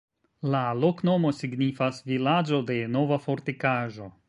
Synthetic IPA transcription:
lalo̞kno̞mo̞siɡnifasvilad͡ʒo̞de̞no̞vafo̞ɾtikaʒo̞

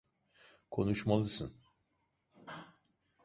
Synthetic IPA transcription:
kʰo̞nuʃmalˠɯsɯn

